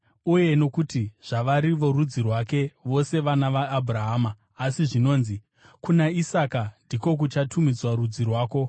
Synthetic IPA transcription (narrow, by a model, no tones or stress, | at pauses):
uje̞no̞kutiʐ̥aʋaɾiʋo̞rud͡zirwake̞ʋo̞se̞ʋanaʋaːbʱuraɦaːmaː | siʐino̞ːnzi | kunaisakandʱiko̞k̬ut͡ʃatʰumid͡zwarud͡zirwaːko̞